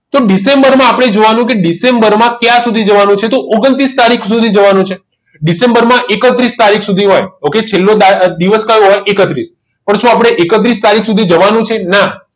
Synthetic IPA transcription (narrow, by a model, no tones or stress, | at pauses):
t̪oɖisembəɾmãapɽ̃ed͡ʒoʋanũk̬eɖisembəɾmãkjãsud̪ʱid͡ʒəʋanũt͡ʃʰet̪oʔoɡənt̪ɾist̪aɾikʰsud̪ʱid͡ʒəʋanũt͡ʃʰe | ɖisembəɾmãʔekət̪ɾist̪aɾikʰsud̪ʱiɦojoket͡ʃʰelːod̪ad̪iʋəskəjõɦojekət̪ɾis | pəɳʃũapɽ̃eʔekət̪̬ɾist̪aɾikʰsud̪ʱid͡ʒəʋanũt͡ʃʰena